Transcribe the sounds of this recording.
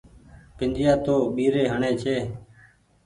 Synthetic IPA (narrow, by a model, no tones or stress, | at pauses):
pɪnd͡ʒɪjaːt̪oːɓiːɾeːɦəɳeːt͡ʃʰeː